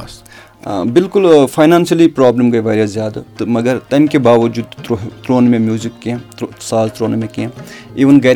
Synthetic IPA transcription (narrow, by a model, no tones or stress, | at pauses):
ɐs | bɪlkʊlfʰaːjnãːnsɐlipɾaːbləmɡɐjʋaːɾjazjaːd̪t̪mɐɡɐɾt̪ɐnkebaːʋɐd͡ʒuːd̪ot̪ɾoːnmẽmjuːzikːẽsaːzt̪ɾoːnmẽkẽiːʋɐnɡɐɾ